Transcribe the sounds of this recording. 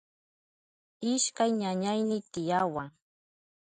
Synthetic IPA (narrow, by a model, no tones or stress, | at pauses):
ɪʃkajɲaɲajnɪt̪ɪjawaŋ